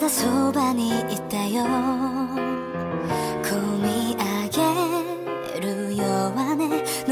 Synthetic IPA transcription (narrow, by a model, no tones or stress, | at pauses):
d̪asobaɲ̟iit̪ːajo | kʰɯmʲiaɡe | ɾɯjoːβane | n